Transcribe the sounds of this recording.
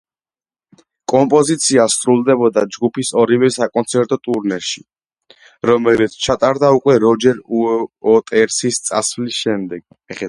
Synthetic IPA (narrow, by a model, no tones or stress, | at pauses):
kʼɔmpʼɔzit̪sʰiast̪ʼɾulˠd̪ɛbɔd̪ad͡ʒɡupʰisɔɾivɛsakʼɔnt̪sʰɛɾt̪ʼɔt̪ʼuɾnɛɾʃi | ɾɔmɛlit̪sʰt͡ʃʰat̪ʼaɾd̪aukʼwɛɾɔd͡ʒɛɾuɔt̪ʼɛɾsist̪sʼa̰svlisʃɛmd̪ɛɡ̥